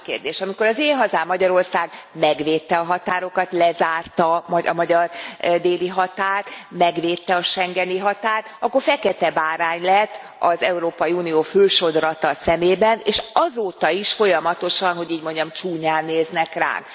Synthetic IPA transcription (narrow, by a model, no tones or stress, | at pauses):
kḛːrd̪eːʃɒmiko̞ɾɒzeːɦɒzaːmːɒɟɒɾo̞rsaːɡmɛɡʋeːt̪ːɛɒɦɒt̪aːɾo̞kɒt̪lɛzaːrt̪ɒmɒɒ̰mɒɟɒrd̪eːliɦɒt̪aːrt̪mɛɡʋeːt̪ːɛɒʃɛŋɡɛniɦɒt̪aːrt̪ɒkːo̞rfɛkɛt̪ɛbaːɾaːɲlɛt̪ː | ɒzɛuɾoːpɒjiuːnioːføːʃo̞d̪rɒt̪ɒsɛmeːbɛneːʃɒzoːt̪ɒiʃfo̞jɒmɒt̪o̞ʃɒnɦo̞ɟiːɟmo̞ɲɟɒmt͡ʃuːɲaːnːeːznɛkra̰ːn